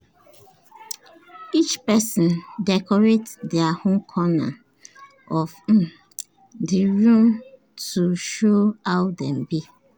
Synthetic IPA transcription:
it͡ʃpɛsɔ̃ndɛkɔɹetdɛahõnkʰɔna̰ | ʔɔf̩ | diɹũm | tʰuʃoawdɛ̃mbi

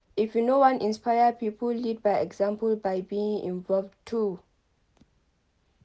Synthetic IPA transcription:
ifjunowãnĩnspajəpipʰəllid̚bajɛɡzãmpəlbajbiĩŋḭ̃nvɔlvtʰu

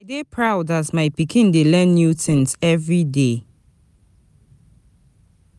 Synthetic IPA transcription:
ajdepʰɹaʊdazmaɪpikʰĩndelɛ̃nːjutn̩sɛvɹide

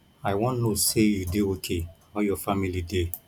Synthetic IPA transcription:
aɪwɔ̃nnosejudeokʰe | ɔjɔfamilide

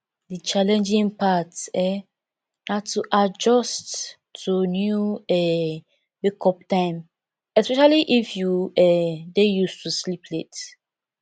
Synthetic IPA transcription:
dit͡ʃalɛ̃nd͡ʒĩŋpatɛ | natʰːuʔad͡ʒɔstʰː | unjuɛ | bekʰɔp̚tãɪ̃m | ɛspɛʃaliʔifjuɛdejustuslipʰlet

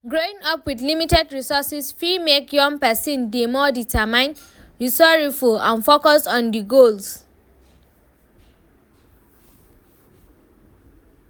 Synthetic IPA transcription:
ɡɹoĩŋʌpwidlimitɛdɹisɔsisfimekjɔ̃ŋpɛsĩndemɔditʰəmãɪ̃n | ɹisɔɹifulã̰nfokɔstɔ̃ndiɡols

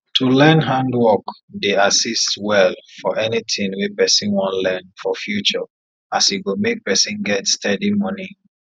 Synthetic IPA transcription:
tʰulɛ̃nɦãndwɔk | deasistwɛlfɔʔɛnitʰĩnwipɛsĩnwɔ̃nlɛ̃nfɔfjut͡ʃə | asiɡomek̚pɛsĩnɡɛtstɛdimɔni

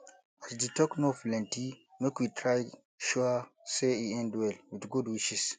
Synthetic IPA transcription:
asdetɔknoflɛ̃ntimekwitʰɹaj | ʃuaseiɛ̃ndwɛlwidɡudwiʃis

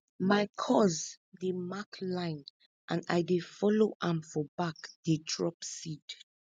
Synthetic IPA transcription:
maɪkʰɔz | demaklãɪ̃n | ʔãna̰jdefɔloʔãmfɔbakdedɹɔpsid

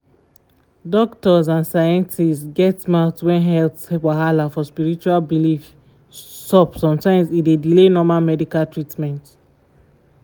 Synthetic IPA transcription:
dɔk̚tɔzãnsajɛ̃ntistɡɛtmaʊtwɛ̃nɦɛlpspaɦalafɔspiɹit͡ʃualbilif | sɔpsɔ̃mtãɪ̃mzidedilenɔmalmɛdikaltɹitmɛ̃nt

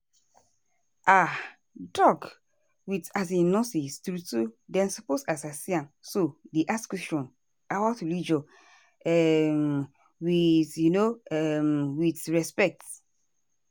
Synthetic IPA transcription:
ʔa | dɔk | witas̬ĩnɔsistɾutudɛ̃nsɔposasasiãmsodeʔaskwɛsʃɔ̃n | awatulid͡ʒɔ | ɛm | witjunoɛmwitɹɛspɛk̚t

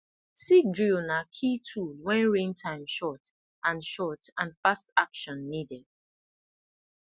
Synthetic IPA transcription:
sidɹilnakʰitʰuwɛ̃nɹẽntʰãɪ̃mʃɔt | ʔãnʃɔtãnfastakʃɔ̃nːidɛd̥̚

